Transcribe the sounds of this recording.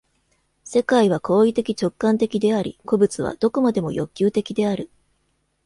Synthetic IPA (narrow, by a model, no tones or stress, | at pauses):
se̞kaiβ̞akʰo̞ːit̪e̞kʲit͡ɕo̞kːãnt̪e̞kʲid̪e̞aɾʲḭko̞bɯt͡sɨβ̞a̰d̪̥o̞ko̞mad̪e̞mo̞jo̞kʲːɨːt̪e̞kʲid̪e̞aɾɯ̟